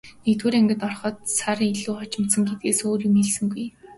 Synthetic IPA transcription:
nekt̪wuːɾæŋɡʲɪ̆t̪ɔrχɔ̆ːt̪̚saɾiɮuːχɔt͡ɕɪ̆mt̪sə̆ŋɡet̪̚ɡeːsoːrimiɮsɘ̆ŋɡuj

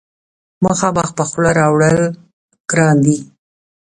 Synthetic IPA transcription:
məxɑmax̚pəxlaɾɑwɽəl | ɡ̥ɾɑnd̪i

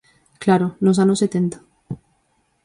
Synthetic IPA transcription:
klaɾonos̬anoset̪ent̪ḁ

